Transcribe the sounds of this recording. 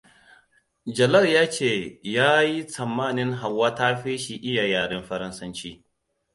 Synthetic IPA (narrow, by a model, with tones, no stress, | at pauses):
d͡ʒɐ˨lɐ˦˨ljaː˦t͡ʃeː˦˨jaː˦ji˦sɐ˨mːaː˦˨nɪ˦ŋɦa˨wːaː˦taː˦ɸiː˦ʃi˨ʔɪ˦jaː˨jaː˨ɽɪ˦mɸɐ˦ɾɐ˦nsɐ˦nt͡ʃiː˦